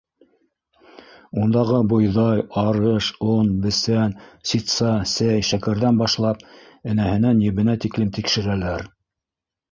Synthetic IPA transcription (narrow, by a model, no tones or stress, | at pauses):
und̪ɑʁɤbŏjðɑjɑɾɤʃonbɘ̆sænsit̪sɑsæjʃækæɾðænbɑʃlˠɑp̚ | ɘ̆næhɘ̆nænjɘ̆βɘ̆næt̪iklɘmt̪ikʃɘ̆ɾælæɾ